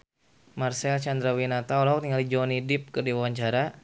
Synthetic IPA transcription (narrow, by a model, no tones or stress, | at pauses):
marsɛlt͡ʃand̪ɾawinat̪aɔlaɦuk̚t̪iŋalid͡ʒɔnidɪp̚kərdiwawaɲt͡ʃaɾa